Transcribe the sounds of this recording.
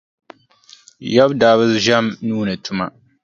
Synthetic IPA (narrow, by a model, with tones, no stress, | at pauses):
ja˦bdaː˨˦βɨ˦lʒa˦mnuː˦nɨ˨tu˦ma̰˦